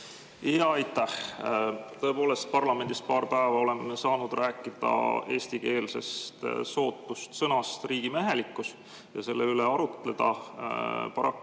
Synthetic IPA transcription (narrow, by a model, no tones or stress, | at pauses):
iɑɑjt̪ːˑæh | t̪ɤ̞epo̞ːle̞st̪̚pɑrlɑme̞nd̪̥ist̪̚pɑːrpæevɑo̞le̞memesɑːnud̪̥rʔæːkːˑid̪̥ɑ̰e̞ːsʲt̪ike̞ːlse̞̰st̪so̞ːt̪ːˑust̪sɤnɑst̪riːɡ̥imæɦe̞likːˑus | jɑse̞lːeyleɑɾut̪le̞d̪̥ɑ | pɑɾɑk